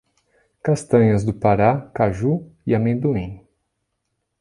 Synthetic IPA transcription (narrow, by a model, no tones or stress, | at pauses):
kast̪ɐ̃ɲɐzd̪ʊpaɾakaʒuiamẽd̪uĩ